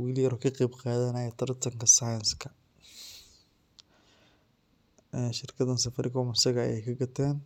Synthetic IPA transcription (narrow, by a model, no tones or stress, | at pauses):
wɪlɪjɐɾkʰɐqɛjbqɑːðɐnaːjɐt̪ʰɐrt̪ʰɐŋkɐsajɐnskʰɐ | ɛʃɪrkʰɐðɐnsɐfɐɾʔɪkʰɔmɐsɐɣɐɐ̰jɛ̰jkʰɐɡɐt̪ʰɛːn